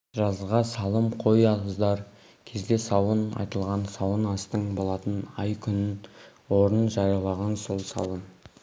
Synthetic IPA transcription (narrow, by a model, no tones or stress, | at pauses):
ʒɑzʁɑsɑlˠəmqʰo̞jɑʁəzd̪ɑɾ | kʲʰe̞zd̪e̞sɑwənɑ̰jt̪əlˠʁɑnsɑwənɑst̪əɴbo̞lˠɑt̪ənɑjkʲʰʏnɪn | wo̞ɾənʒɑɾjɑlˠɑʁɑnso̞lˠsɑ̰wən